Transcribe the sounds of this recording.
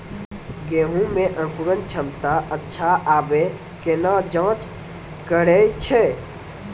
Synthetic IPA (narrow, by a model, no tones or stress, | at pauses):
ɡeɦũmẽʔə̃kuɾənt͡ʃʰəmt̪aʔətːʃʰaʔaːbe | kenad͡ʒãːt͡ʃ | kəɽɛt͡ʃʰɛ